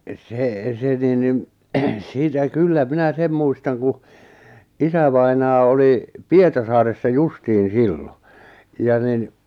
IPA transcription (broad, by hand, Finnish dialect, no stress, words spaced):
seˑ se nin nin siːtæ kylːæ minæ sem muistɑŋ ku isæʋɑinɑː oli pietɑrsɑːresːɑ justiːn̞ silːo jɑ nin